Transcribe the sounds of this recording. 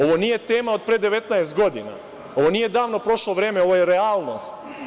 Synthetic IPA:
o̞ʋo̞nije̞t̪eːmaod̪̚pɾed̪eʋe̞t̪naest̪̚ɡo̞d̪ina̰ | o̞ʋo̞nije̞d̪aːʋnopɾo̞ʃloʋɾeːmeo̞ʋojeɾeaːlˠno̰st̪

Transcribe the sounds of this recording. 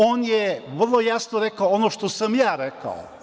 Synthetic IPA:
oːnjeʋr̩lˠojasnoɾekaoonoʃt̪osamjaːɾeka̰o̰

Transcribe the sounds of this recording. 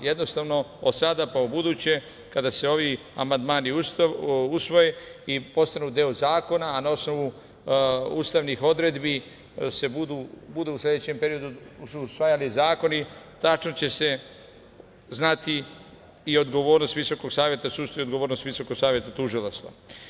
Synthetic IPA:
je̞d̪no̞st̪aʋno̞osad̪apaubud̪uːt͡ɕe̞ | kad̪ase̞o̞ʋi | a̰mand̪maːniususʋo̞jeipo̞st̪anud̪eozaːko̞naːnao̞sno̞ʋu | uːst̪aʋnixo̞d̪ɾe̞d̪bi | se̞bud̪ubud̪uuslʲe̞d̪et͡ɕe̞mpe̞ɾio̞d̪ususʋajalizaːko̞nit̪at͡ʃnot͡ɕe̞se̞ | znat̪iː | o̞d̪ɡo̞ʋo̞ːɾno̞st̪ʋiso̞ko̞ɡsaːʋje̞t̪asuːst̪ajeod̪ɡo̞ʋoːɾnost̪ʋiso̞ko̞ɡsaːʋje̞t̪at̪uʒilˠaʃt̪a̰

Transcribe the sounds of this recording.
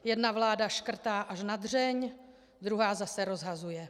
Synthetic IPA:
jɛdnavlaːdaʃkr̩t̪aːʔaʃnad̪r̝ɛɲ | d̪ɾuɦaːzasɛɾo̞zɦazujɛ

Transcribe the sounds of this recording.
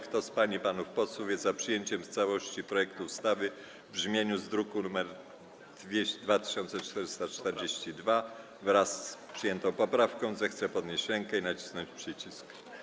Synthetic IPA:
kt̪ɔspaɲipanufpɔswuvʲjɛzzapʂɘjeɲt͡ɕɛmst̪sawɔɕt͡ɕipɾɔjɛkt̪uːst̪avɘ | vbʐmʲjeɲuzd̪ɾukunumɛɾ | d̪vʲed̪vat̪ɪ̥ɕɔnt̪sɛt͡ʂt̪ɛɾɘst̪at͡ʂt̪ɛɾd͡ʑeɕt͡ɕid̪va | vɾasːpʂɘjɛnt̪ɔ̃w̃pɔpɾafkɔ̃w̃zɛxt̪sɛpɔd̪ɲeɕt͡ɕɾɛŋkɛinat͡ɕi̥snɔɲt͡ɕpʂɘt͡ɕisk

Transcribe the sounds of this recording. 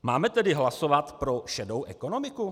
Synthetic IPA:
maːmɛt̪ɛdɪɦlaso̞vat̪pɾo̞ʃɛdowʔɛko̞no̞mɪku

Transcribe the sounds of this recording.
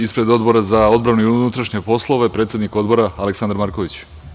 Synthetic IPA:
ispɾe̞d̪o̞d̪bo̞ɾazao̞d̪bɾanuiunut̪ɾaʃɲe̞po̞slˠo̞ʋepɾet̪sje̞d̪nikod̪bo̞ɾaaleksand̪aɾmaɾko̞ʋit͡ɕ

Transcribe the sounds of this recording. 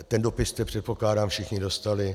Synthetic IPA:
t̪ɛndopɪst̪ɛpr̝̥ɛt̪po̞klaːdaːmfʃɪxɲɪdo̞st̪alɪ

